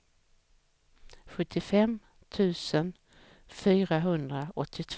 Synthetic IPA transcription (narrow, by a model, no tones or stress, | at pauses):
ɧɵt̪ʰːɪfɛm | t̪ʰʉ̟ːsən | fyːɾaɦɵnd̪ɾaɔt̪ʰːɪt̪ʰ